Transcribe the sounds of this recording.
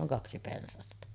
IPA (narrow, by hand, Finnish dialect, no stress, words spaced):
oŋ kɑksi pensɑstɑ